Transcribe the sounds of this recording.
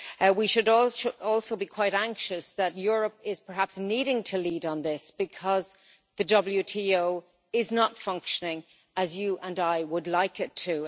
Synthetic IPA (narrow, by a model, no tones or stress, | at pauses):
wiʃɨɾɔlʃɔlˠsoʊbikʰw̥aɪɾæ̃ŋkʃəsðətjʊːɹəpɪz̥pʰə˞ɦapsniɾɪ̃ŋtʰəliːɾn̩ðɪsb̥ɨkʰɒz | ðədʌbl̩ˠjʉtʰioʊ | ɪznətfʌ̃ŋkʃənɪ̃ŋ | əzjəʔə̃naɪwədˡlaɪkɪtʰə